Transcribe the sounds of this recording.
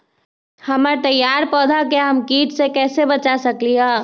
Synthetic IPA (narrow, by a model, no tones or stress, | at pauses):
hɐmat̪ɐjːaːɾpɔːd̪ʱakaɦɐmkiːt̪sekɛːsebɐt͡ʃasɐkliaː